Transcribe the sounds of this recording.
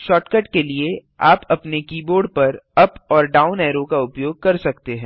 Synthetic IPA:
ʃɔːʈkəʈkelie | aːpɐpnekiːboːɾɖ̚pɐɾɐpɔːɾɖaːʊnɛːɾokaʊpjoːɡ̚kɐɾsɐkt̪eɦɛ̃ː

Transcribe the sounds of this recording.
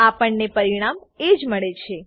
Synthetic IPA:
apəɳnepəɾiɽ̃am | ed͡ʒməɭet͡ʃʰe

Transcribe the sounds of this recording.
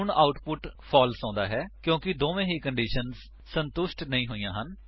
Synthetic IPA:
ɳaːʊʈpʊʈpʰɔːlsãːnd̪aːɦɛːkjõːkɪd̪oːʋẽːɦiːkəɳɖiːʃənz | sənt̪ʊʃʈnəĩːɦoːijãːɦən

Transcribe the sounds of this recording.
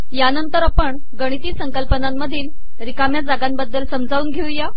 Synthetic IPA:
janənt̪əɾapəɳ | ɡəɽ̃it̪iːsəŋkəlpənamːəd̪ʱiːn | ɾikamjad͡zaɡambəd̪ːəlsəmd͡zʱaʋuːnɡʱeũja

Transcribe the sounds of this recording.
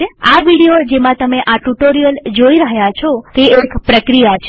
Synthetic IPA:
eaʋiɽijod͡ʒemãt̪əmeʔaʈuʈoɾijəld͡ʒoiɾəɦjat͡ʃʰot̪eekpɾəkɾijat͡ʃʰ

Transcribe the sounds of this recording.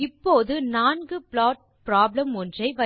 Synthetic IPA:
ɪpːoːðɯnaːnɡɯplaːʈ̚ | pɾaːblɐmɔndrɐɪʋɐ

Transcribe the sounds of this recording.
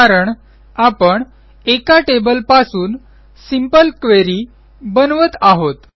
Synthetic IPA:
aɾəɳ | apəɳ | ekaʈebəlpasuːn | simpəlkʋeɾiː | bənʋət̪aɦot̪

